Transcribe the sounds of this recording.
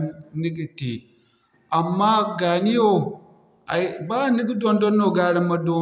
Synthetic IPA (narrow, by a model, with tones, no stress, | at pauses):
ni˦ɡi˨ti˨ | ʔa˨mːaː˦ɡa˨ni˦jo˦˨ | a˨baː˦˨ni˦ɡi˦do˦ndɔ˦nːo˨ɡaː˦ɽi˦mːa˦do˦